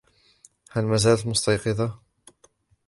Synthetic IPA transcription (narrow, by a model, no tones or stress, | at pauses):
halmazaːlat̪mʊst̪ɑjqɨd̪ˤɑ